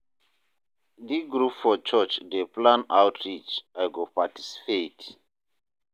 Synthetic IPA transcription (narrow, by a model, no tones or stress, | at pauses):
diɡɹupfɔt͡ʃɔt͡ʃdeplãnawtʰɹit͡ʃajɡopati̥si̥pet